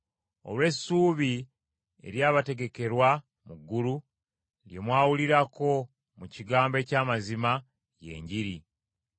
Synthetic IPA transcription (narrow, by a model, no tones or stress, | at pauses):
o̞̰lwe̞sːuːβi | e̞̰ɾjaːβate̞ɡe̞ke̞ɾwa | muɡːulu | lje̞mwaːwuliɾako̞ | muciɡaːmbe̞ːcaːmazima | je̞̰ːɲɟiɾi